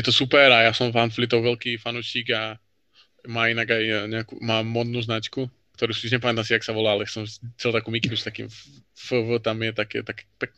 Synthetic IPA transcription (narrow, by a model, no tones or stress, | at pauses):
jɛt̪ɔsupɛɾajaːsɔmfanflit̪ɔwvɛlkiːfanuːʃiːɡa | maːinaɡajɲɛakṵmaːmːɔd̪nuznat͡ʃku | kt̪ɔɾuːsiɲɛp̬amɛt̪asijaksaʋɔlaːalɛsɔmt͡sɛlt̪akumikinust̪akḭːmfəvət̪amjɛt̪akɛ̰t̪akɛ̥pɛk̚